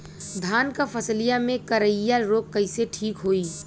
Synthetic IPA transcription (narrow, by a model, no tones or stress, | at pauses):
d̪ʱaːnkapʰəslijamẽkəɾəjaɾoːkːəɪseʈʰiːkɦoːiː